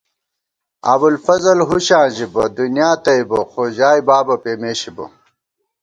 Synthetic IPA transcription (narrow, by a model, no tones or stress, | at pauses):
a̰bulfɐzɐlɦuɕãːʑibɐd̪unjaːt̪ɐibɐxod͡ʑaːibaːbɐpeːmeːɕibɐ̰